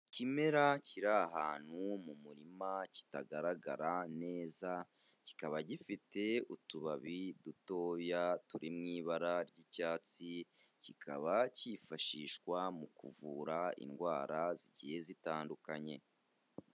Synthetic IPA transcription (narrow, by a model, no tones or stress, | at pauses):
cime̞ɾaciɾaɦaːn̥humumuɾimaci̥taɡaɾaɡa̰ɾane̞ːza | ci̥kaβaɟifite̞utuβaβiduto̞ːjatuɾimŋiːβaɾaɾɟicaːt͡si | cikʰa̰βacifaʃiːʃkwamukṵvuːɾaḭnɡwaːɾaziɟije̞zitaːndukaɲe̞̰